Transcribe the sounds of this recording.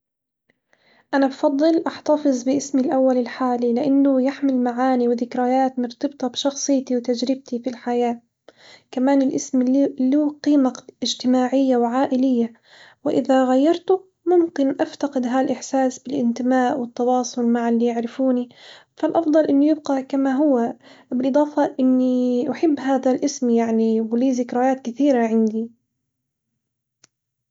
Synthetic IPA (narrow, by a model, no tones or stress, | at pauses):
ʔanabfɑd̪ˤːɨlʔɑħt̪ɑfɨzˤbɪʔɪsmilʔawːalɪlħaːlilɪʔanːʊjaħmɪlmaʕaːniwɪðɪkɾajaːt̪mɨɾt̪ɨbt̪ˤɑbʃɑxsˤɨːt̪iwt̪ad͡ʒɾɪb̚t̪ifilħajaː | kamaːnɪlʔɪsmlːuːqiːmaɪd͡ʒt̪ɪmaːʕɪjːawʕaːʔɪlɪjːa | wɪʔɪðaɣajːɑɾˤt̪ʊ | mʊmkɪnʔaft̪aqɪd̪ɦalʔɪħsaːsbɪlʔɪnt̪ɪmaːʔwɪt̪ːɑwɑːsˤʊlmaʕɪlːiːjɪʕɾɪfuːnifalʔɑfd̪ˤɑlʔɪnːijɪbqakamaɦʊwːabɪlʔɨd̪ˤɑːfɑʔɪnːiʔʊħɪbːɦaːðalʔɪsmjaʕniwliːzɪkɾˤɑjaːt̪kɪθiːɾaʕɪnd̪i